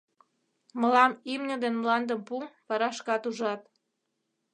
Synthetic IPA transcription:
mə̆lɑmimnʲəd̪enmlɑnd̪əmpumpɑɾɑʃkɑt̪uʒɑt̪̚

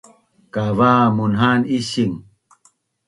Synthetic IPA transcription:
kavamunɦaniɕiŋ

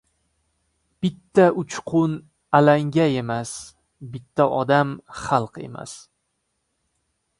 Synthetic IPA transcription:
b̥ɪt̪ʰːaʊt͡ʃqʰʊn | alaŋɡʲae̞mas | bɪt̪ʰːaʔɒd̪amχɑlˠqe̞̰ma̰s

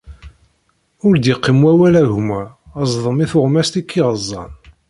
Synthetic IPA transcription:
ʊɾd̪jiqːimwæwælæʝmæəzˤðˤəmiθʊʁmæst̪ikʰːiʁəzˤːɑ̰n

